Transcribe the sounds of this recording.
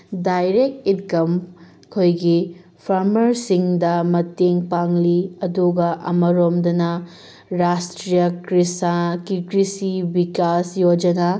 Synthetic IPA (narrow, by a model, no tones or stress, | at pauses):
dajɾek̚titkɐm | kʰojɡi | pʰaɾmɐɾsiŋdɐmɐteŋpaŋliɐduɡɐʔɐ̰mɐɾomdɐnɐ | ɾastɾijɐkɾisakikɾisibikasjod͡ʒɐnɐ